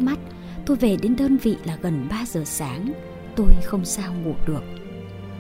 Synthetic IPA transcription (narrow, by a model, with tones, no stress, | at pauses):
ma˦˥t̚ | t̪o˧jve˨˩ɗe˨˦nɗəː˧nvḭ˧˨laː˨˩ɣə˨˩nɓaː˧zəː˨˩saː˨˦ŋ | t̪o˧jxə˧wŋ͡msaː˧wŋṵ˧˩ɗɨ˨˩ək̚